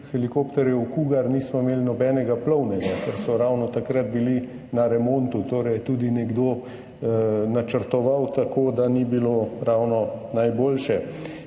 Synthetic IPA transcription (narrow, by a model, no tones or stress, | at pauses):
xɛlikopt̪ɛɾjɛwkuːɡaɾniːsmɔimeːlnɔbɛːnɛɡaplɔwnɛɡakɛɾsɔɾawnɔt̪akɾat̪̚bili | naɾɛmoːnt̪ut̪oːɾɛjɛt̪uːd̪inɛɡd̪oː | nat͡ʃəɾt̪ɔʋawt̪akoːd̪anibiloːɾawnɔnajboːlʃɛ